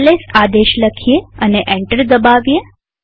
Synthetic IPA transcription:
lesad̪eʃləkʰijeəneʔeɳʈəɾd̪əbaʋje

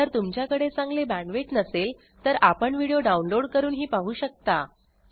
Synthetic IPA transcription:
əɾt̪umt͡ɕjakəɽet͡sãŋɡlebæ̃ɳʋeʈnəsel | t̪əɾapəɳʋiɽijoɖaunloɽkəɾuːnɦiːpaɦuːɕək̚t̪a

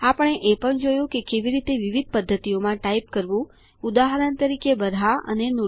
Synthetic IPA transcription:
apəɳ̃eʔepəɳd͡ʒojũkekeʋiɾit̪eʋiʋid̪̚ʱpəd̪ʱːət̪ijomãʈaip̚kəɾʋũ | ud̪aɦaɾənt̪əɾikebəɾɦaə̰nenu

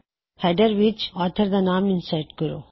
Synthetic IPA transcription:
hɛɖəɾʋit͡ʃɔːt̪ʰəɾd̪anaːmɪnsajʈkəɾo̰

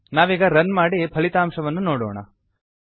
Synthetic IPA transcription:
naːʋiːɡɐɾɐnmaːɽipʰɐɭit̪aːmʂɐʋɐnːunoːɽo̰ːɳɐ̰

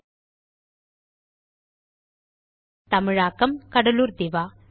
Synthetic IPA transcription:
t̪ɐmɪɻaːkɐmkɐɽɐluːɾd̪ɪʋaː

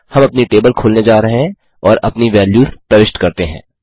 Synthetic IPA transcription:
hɐ̃mɐpniʈeːbəlkʰoːlned͡ʒaːɾɐɦeɛ̃ | ɔːɾɐpniʋɛːljuːɾpɾɐʋɪʃʈkɐɾt̪eɦɛ̰̃ː

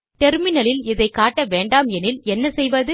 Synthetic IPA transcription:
ʈɛɾmɪnɐlɪlɪðɐɪkːaːʈːɐʋeːɳɖaːmɛnɪlɛnːɐsɛjʋɐðɯ

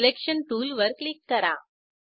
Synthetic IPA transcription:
lekʂɐnʈuːlʋɐɾklɪkːɐɾãː

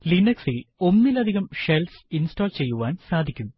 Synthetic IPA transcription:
linɐksilo̞nːilɐd̪ʱiɣɐmʂelsinstoːlt͡ɕe̞jːuʋaːnsaːd̪ʱikʲːum

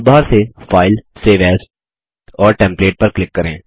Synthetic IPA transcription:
bʱaːɾsefaːɪlseːʋɛːz | ɔːɾʈɛ̃ːmpleːʈ̚pɐɾklɪkːɐɾẽː

